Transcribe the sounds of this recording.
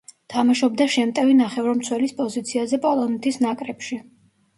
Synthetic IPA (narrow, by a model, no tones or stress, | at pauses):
t̪ʰamaʃɔb̚d̪aʃɛmt̪ʼɛvinaχɛvɾɔmt̪sʰwɛlispʼɔzit̪sʰiazɛpʼɔlˠɔnɛt̪ʰisnakʼɾɛpʃi